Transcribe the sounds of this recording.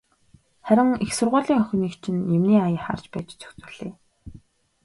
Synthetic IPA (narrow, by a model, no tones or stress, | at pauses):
χæɾʲɪ̆ŋixsʊrʁʊːɮiːŋœx̆ʲniːkt͡ɕʰɪ̆njemniːajə̆χa̰rt͡ɕpæːt͡ɕt͡sʰɵ̥xt͡sʊ̥̆ɮ̥eː